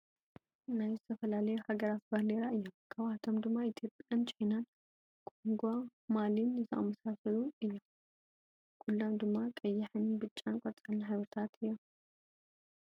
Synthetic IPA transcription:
najzɨt̪ʰɐfɐlalɐjuhaɡɐɾat̪̚bɐɾleɾaɨjːomkʰaβat̪ʰo̞md̪ɨmːait̪ʰjo̞pʼant͡ʃʼajnan | kʼoŋɡʷamalinɛt̪ʰɐ̰ʔʼmɐsasɐluɨjːom | kʰulːomd̪ɨmːakʼɐjːɪħɨnbɨt͡ʃʼːankʷʼɔɾt͡sʼalnħaβɔt̪ʰat̪ʰɨjːom

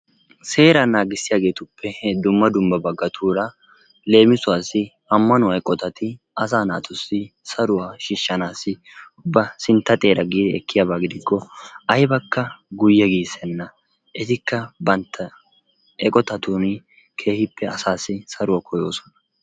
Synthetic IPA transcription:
se̞ːɾɐnaːɡɪsːɪjaːɡe̞ːt̪ʊpːɛd̪ʊmːɐd̪ʊmbɐbɐɡːɐt̪ʰuːɾɐ | le̞ːmɪsʊwaːsːɪ | ɐmːɐnʊwɐɛkʼːɔt̪ɐt̪ɪ | ɐs̬aːna̰ːt̪ʰɔsːɪsɐɾʊwaːʃiːʃːɐnaːsːɪ | bːɐsɪnt̪ːɐt̪ʼe̞ːɾɐɡiːd̪ɛɛkːɪjaːbaːɡɪd̪ɪkːɔɐjbɐkːɐɡʊjːɛɡiːsɛnːɐ | ʔɛt̪ɪkːɐbɐnt̪ʰːɐ | ɛkʼɔt̪ɐt̪uːnɪ | kʰe̞ːhɪpːɛɐsaːsːɪsɐɾʊwaːkʰɔjo̞ːsɔ̥nɐ̥

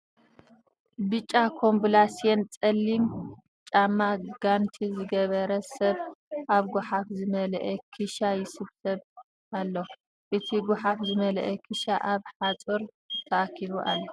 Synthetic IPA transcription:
bɨt͡ʃʼːakʰo̞mbulasient͡sʼɐlːim | t͡ʃʼamːaɡ̥ant̪ʰizɨɡɐβɐɾɐsɐβʔaβɡuħafzɨmɐlʔɛkʰɨʃajɪsɨβsɐβ | ʔalːo | ʔɨt̪ʰiɡʊħafzɨmɐlɐʔɛkʰɨʃaʔaβħat͡sʼɨɾ | t̪ʰɐʔakʰiβuʔalːo

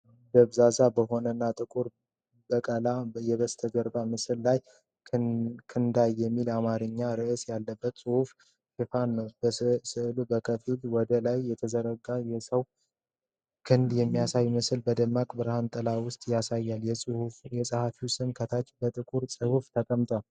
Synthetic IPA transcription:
bəβzazabəɦo̞nənːat̪ʼɨkʼuɾ | bəkʼəlajɛβəst̪ʰəɡəɾbamɨsɨllaj | kʰɨnd̪ajːɛmːilamaɾɨɲːaɾɨʔɨsjalːəbːət̪sʼɨhuf | ʃɪfanːəwbəsɨʔlubəkʰəfilwɔd̪əlajːɛt̪ʰəzəɾəɡajɛsəw | kʰɨnd̪jɛmːijasajmɨsɨlbəd̪əmːakʼbɨɾhant̪ʼɨlawʊst̪ʼjasajːaljɛhujɛsʼɨhafiwsɨmkʰət̪ʰat͡ʃbət̪ʼɨkʼuɾsʼɨhuft̪ʰəkʼəmt̪ʰal

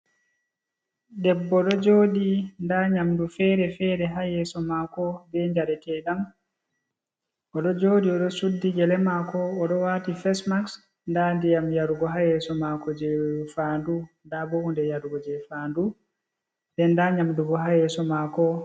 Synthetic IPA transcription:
ɗɛbːɔɗɔd͡ʒoːɗindaɲamdufɛɾɛfɛɾɛɦajɛsɔmakɔbɛɲd͡ʒaɾɛtɛɗam | ʔɔɗɔd͡ʒoɗiɔɗɔsudːiɡɛlɛmakɔːɗɔwatifɛsmaks | ndandijamjaɾɡɔɦajɛsɔmakɔd͡ʒɛfaːndundabɔundɛjaɾɡɔd͡ʒɛfaːndu | dɛndaɲamduɡɔɦajɛsɔmakɔ

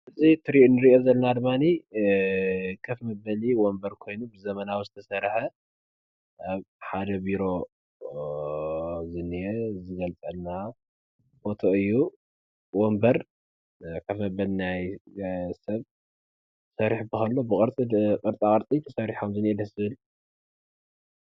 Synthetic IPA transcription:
ʔɨzit̪ʰɨɾiʔunɨɾiʔo̞zɐlːɐnad̪ɨmːani | kʰɐfmɐbɐliwombɐɾkʰo̞jnubɨzɐmɐnawizɨt̪ʰɐsɐɾħɐ | ʔaβħad̪ɐbiɾo̞ | zɨnezɨɡɐlt͡sʼɐlna | fo̞t̪ʰo̞ɨjːu | wombɐɾ | kʰɐfmɐbɐlinaj | sɐβ | sɐɾiħbɨxɐlːo̞bɨkʼɨɾt͡sʼiqʼɨɾt͡sʼakʼɐɾt͡sʼit̪ʰɐsɐɾiħomzɨnɛd̪ɐzɨβɨl

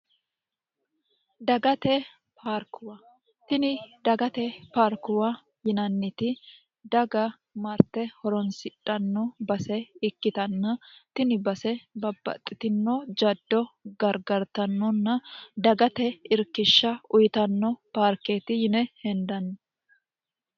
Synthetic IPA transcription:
d̪ɐɡɐt̪ɛ | paːɾkʊwɐ | t̪ɪnɪd̪ɐɡɐt̪ɛpaːɾkʊwa | jɪnɐnːɪt̪ɪ | d̪ɐɡɐ | mɐɾt̪ːɛhɔɾɔnsɪᶑʼːɐnːɔbɐsɛɪkːɪt̪ɐnːɐt̪ɪnɪbɐsɛbɐbːɐ̰t̪ʼːɪt̪ɪnːɔd͡ʒɐd̪ːɔɡɐɾɡɐɾt̪ɐnːɔnːɐd̪ɐɡɐt̪ɛɪɾkːɪʃːɐʊjt̪ɐnːɔpaːɾkeːt̪ɪjɪnɛhɛnd̪ɐnːɐ

